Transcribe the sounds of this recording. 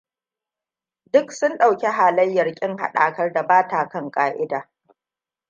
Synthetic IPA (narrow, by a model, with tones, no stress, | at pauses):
dʊ˦ksʊ˦nɗa˨wkʲe˦ɦaː˨lɐ˦jːɐ˨rkʲʼɪ˦ŋha̰˨ɗa̰ː˨kɐ˦rda˨baː˦taː˨kɐ˦ŋkʼaː˦ʔɪ˦daː˨